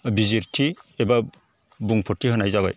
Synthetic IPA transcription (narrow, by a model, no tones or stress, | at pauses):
biziɾtʰiebabuŋpʰɔtʰːiɦɯnajzaba̰j